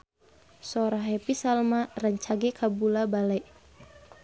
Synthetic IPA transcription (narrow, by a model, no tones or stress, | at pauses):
sɔɾaɦɛpisalmarəɲt͡ʃaɡɛkʰabulabalɛʔ